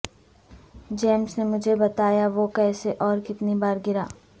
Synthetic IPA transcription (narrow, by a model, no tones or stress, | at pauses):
d͡ʒeːmsnemʊd͡ʒʱebɐt̪aːjaʋokɛːseʔɔːɾkɪt̪nibaːɾɡɪɾaː